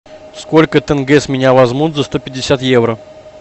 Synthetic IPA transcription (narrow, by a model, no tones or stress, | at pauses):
sko̞lʲkət̪ɛnɡɛsmʲɪnʲavɐzmut̪zɐst̪o̞pʲɪdʲːɪsʲat̪jevɾə